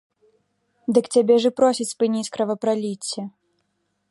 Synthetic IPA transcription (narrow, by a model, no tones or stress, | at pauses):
d̪ɨkt͡sʲabʲɛʐɨpɾɔsʲit͡sʲspɨnʲit͡sʲkɾɐvɐpɾalʲit͡sʲːɐ